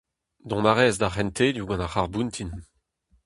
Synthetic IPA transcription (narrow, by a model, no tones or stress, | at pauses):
d̪ɔ̃maʁɛːzd̪aχɛnt̪ʰed̪uɡɑ̃naχaʁbunt̪ʰin